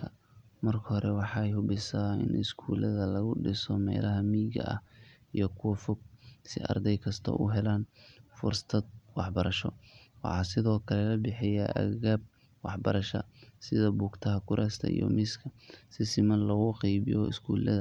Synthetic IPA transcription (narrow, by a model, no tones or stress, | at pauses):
kʰɐ | mɐrkʰɐhɔɾɛwɑħɑjhʊbɪsaːɪ̰nɪ̰skʰuːlɐðɐlɐɣʊɖɪsɔmɛ̰ːlɐɦɐmiːɡɐ̰ʔɐ̰h | ijɞkʰʊwɐfɔɡ̚sɪ̰ʔɐ̰rd̪ɛjkʰɐst̪ʰɐ̰ʔʊ̰ɦɛlaːnfʊrst̪ʰɐd̪̚wɑħbɐɾɐʃɔ̰wɑ̰ħɑːsɪðɔːkʰɐlɛlɐbɪħɪja̰ʔɐ̰ɣaːb̚ | wɑħbɐɾɐʃɐ̰sɪðɐbuːɡt̪ʰɐɦɐkʰʊɾʔɛːst̪ʰɐ̰ḭjɔ̰mɪskʰɐsɪsɪmɐnlɐɣʊqiːβɪjɔɪ̰skʰuːlɐðɐ